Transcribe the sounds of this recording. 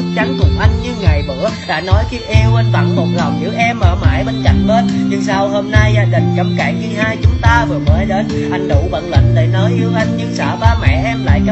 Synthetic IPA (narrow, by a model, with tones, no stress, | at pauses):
k̚t͡ɕa˧ŋk̪ʊ˨˩ŋ͡m̚ʔa˧jŋ̟ɲɨ˧ŋa˨˩jɓɨ̰˧˨əɗa̰ː˧˩nɔ˨˦jki˧ʔi˧wə˧nt̪a̰˧˨˩nmo˨˩t̚la˨˩wŋ͡mzɨ̰˧˥ʔɛ˧mːəː˨˩ma̰ː˧˩jɓə˧˨˩nka̰˧˨jŋ̟ɓə˦˥t̚ɲɨ˧ŋsa˧who˧mna˧jzaː˧ɗï˨˩ŋ̟t͡ɕə˨˧˩mkaː˧˩ŋɣi˧haː˧jt͡ɕʊ˨˦ŋ͡mt̪aː˧vɨ˨˩əməː˨˦ɗe˨˦n | ha˨˩jŋ̟ɗṵ˧˨ɓə̰˧˨nlə̰˧˨ŋ̟ɗe˧˩nəː˨˦jʔi˨˦əwʔa˧jŋ̟ɲɨ˧ŋsə̰ː˧˩ɓaː˧mɛ̰˧˨ʔɛ˧mla̰ː˧˨jɲə˦